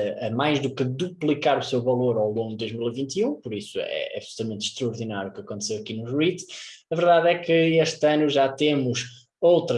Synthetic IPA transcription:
ɐmajʒðukɨðuplˠikaɾusewvɐlˠoɾawlˠõŋɡud̪̚d̪ojʒmilˠivĩnt̪iũpuɾisuɛ̰ɐ̰βsulˠu̥t̪ɐmẽnt̪ʃt̪ɾɐɔɾðinaɾjuukɐkõnt̪sewɐkinuʒʁit̪ɐvɨɾðaðɛkɨeʃt̪ɐnuʒat̪emuʃ | owt̪ɾɐ

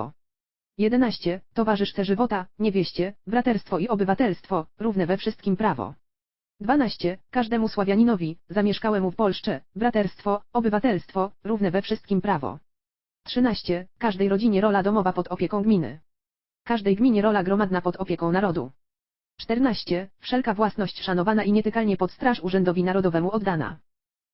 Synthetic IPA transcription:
ɔ̰ | jɛd̪ɛnaɕt͡ɕɛt̪ɔvaʐɘʂt̪sɛʐɘvɔt̪aɲɛvʲjɛɕt͡ɕɛbɾat̪ɛɾst̪fɔiɔbɘvat̪ɛlst̪fɔɾunɛvɛfʂɘst̪̚kʲimpɾavɔ̰ | d̪vanaɕt͡ɕɛkaʐd̪ɛmuswavʲjaɲinɔvʲizamʲjɛʂkawɛmufpɔlʂt͡ʂɛbɾat̪ɛɾst̪fɔɔbɘvat̪ɛlst̪fɔɾuvnɛvɛfʂɘst̪̚kʲimpɾavɔ̰ | tʂɘnaɕt͡ɕɛkaʐd̪ɛjɾɔd͡ʑiɲɛɾɔlad̪ɔmɔvapɔd̪ɔpʲjɛkɔ̃w̃ɡmʲinɘ̰ | kaʐd̪ɛjɡmʲiɲɛɾɔlaɡɾɔmad̪napɔd̪ɔpʲjɛkɔ̃w̃naɾɔd̪ṵ | t͡ʂt̪ɛɾnaɕt͡ɕɛfʂɛlkavwasnɔɕt͡ɕʂanɔvanaʔiɲɛt̪ɛkalɲɛpɔt̪st̪ɾaʂuʐɛnd̪ɔvʲinaɾɔd̪ɔvɛmuɔd̪ːana̰

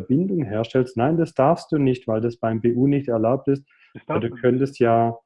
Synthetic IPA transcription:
bɪndʊŋɦeːɐʃtɛlstnaɪndasd̥aɐfst̚d̥uːnɪçtv̥aɪldasb̥aɪmbeːʔuːnɪçtɛɐlaʊp̚tɪst̚ | vaduːkʰœntəstjaː

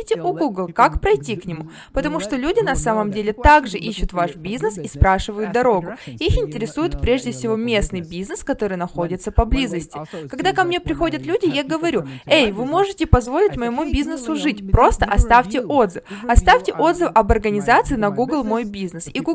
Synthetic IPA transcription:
tʲɪʔʊɡuɡlˠkakpɾɐjtʲiknʲɪmu | pət̪ɐmuʂt̪o̞lʲudʲɪnɐsaməmdʲelʲɪt̪aɡʐɨʔiɕːʊt̪vaʂbʲiznɨsispɾaʂɨvəjʊt̪̚d̪ɐɾo̞ɡʊixɪnʲtʲɪɾʲɪsujʊt̪pɾʲe̞ʐdʲɪfsʲɪvo̞mʲe̞snɨjbʲiznɨskɐt̪o̞ɾɨjnɐxo̞dʲɪt̪səpɐblʲizəsʲtʲɪkɐɡd̪akɐmnʲe̞pɾʲɪxo̞dʲət̪lʲudʲɪjaɡəvɐɾʲuejvɨmo̞ʐɨtʲɪpɐzvo̞lʲɪtʲməjɪmubʲiznɨsʊʐɨtʲpɾo̞st̪əʔɐst̪aftʲɪʔo̞d̪zɨɐst̪afʲtʲɪʔo̞d̪zɨfɐbɐrɡənʲɪzat̪sɨɪnɐɡuɡlˠmo̞jbʲiznɨsiɡu

